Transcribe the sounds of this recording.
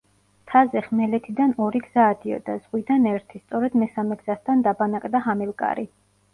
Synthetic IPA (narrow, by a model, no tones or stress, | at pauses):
t̪ʰazɛχmɛlɛt̪ʰid̪anɔɾiɡz̥aːd̪iɔ̰d̪az̥ʁwid̪anɛɾt̪ʰist̪sʼɔɾɛd̪mɛsamɛɡz̥ast̪ʰand̪abanakʼd̪aɦamɛlˠkʼa̰ɾi